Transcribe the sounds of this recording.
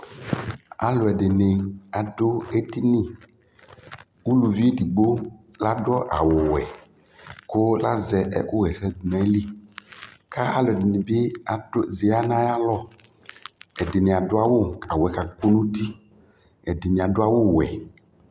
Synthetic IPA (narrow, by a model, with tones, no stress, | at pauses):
a̰˨lo˨ɛ˨de˨ne˨a˨do˦e˦di˦nĩ˦ | wu˦lu˨vi˦e˦di˨ɡ͡bo˦ | la˦dʊ˦ɔ˦ʔa˨wo˨wɛ̰˨ | ko˦la˦zɛ˨ʔɛ̰˦˨ko˦ɣɛ˨sɛ˦dnɛ̃˦li˦ | ka˦a˦lo˨ɛ˨dɪ˨nĩ˨be˦a˨do˦ze˨a˦nã˦ja˦lɔ˦ | ɛ˨de˨nẽ˨a˨do˦a˦wo˦a˨wo˨ɛ˨ka˨ɡo˦nũ˦t̪i˦ | ɛ˨de˨nẽ˨a˨do˦a˦wo˦˨wɛ̰˨